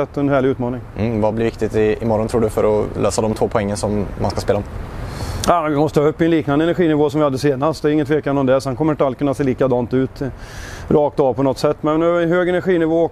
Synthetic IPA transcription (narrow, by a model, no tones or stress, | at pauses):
ɛt̪ːɔnhæːɭlɪʉ̟ːt̪mɑːnɪŋvablɪɾvɪkt̪ɪt̪ɪɪmɔɾɔnt̪ɾuːɖɵfœɾɔ̰løːsad̪ɔmt̪ʰvoːpʰɔɛŋːənsɔmːa̰nskaspeːlaɔm | jaːmɛnvɪmɔst̪əhɑːɵpːɪɛnliːknand̪əɛnæɾɧiːnɪvoːsɔmvɪhad̪ːəseːnast̪d̪ɛɾɪŋːət̪ʰveːkanɔmd̪ɛsɛnkʰɔmːɾɪnt̪ɾalkɵnːaseːliːkad̪ɑːnt̪ʉ̟ːt̪ | ɾɑːk̚t̪ɑːvpʰɔnɔt̪sɛt̪ːmɛnːnɦøːɡɛnæɾɧiːnɪvoːɔ